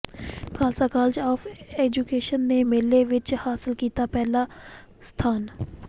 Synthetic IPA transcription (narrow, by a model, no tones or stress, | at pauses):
kaːlsaːkaːld͡ʒaːfeːd͡ʒuːkeːʃənːeːmeːleʋɪt͡ʃhaːsɪlkiːt̪aːpɛːlaː | st̪ʰaːn